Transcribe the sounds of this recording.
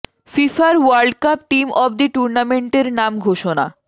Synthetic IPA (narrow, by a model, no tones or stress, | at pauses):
fifaɾwaɾɖkap̚ʈimʔɔbd̪iʈuɾnameɳʈeɾnamɡʱoʃona̰